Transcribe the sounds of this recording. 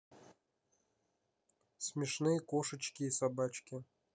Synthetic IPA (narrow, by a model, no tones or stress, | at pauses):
sʲmʲɪʂnɨjəkoʂət͡ɕkʲiːsabat͡ɕkʲi